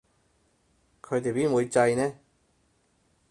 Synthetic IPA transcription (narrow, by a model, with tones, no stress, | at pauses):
kʰɵ˨˧t̪e˨jpi˥nmwu˨˧jt͡sa˧jnɛː˥